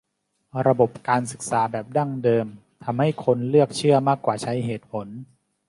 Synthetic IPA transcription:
ɾa˧bo˨˩p̚kaː˧ns̬ɯ˨˩k̚saː˩˦bɛː˨˩p̚da˥˩ŋdɤː˧m | t̪ʰa˧mha˥˩jkʰo˧nlɯ˥˩ək̚t͡ɕʰɯ˥˩ɐmaː˥˩kːwaː˨˩t͡ɕʰa˦˥jɦeː˨˩t̪̚pʰo˩˦n

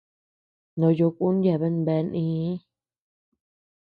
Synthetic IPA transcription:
nõ˨˧jo˧ku˦n˦da˨βe˦nbe˧nĩː˦˧˦

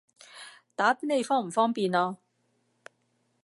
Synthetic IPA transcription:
t̪aː˨˥pi˥ne˨˧jfɔː˥ŋm̩˨˩fɔː˥ŋpiː˨˧naː˧

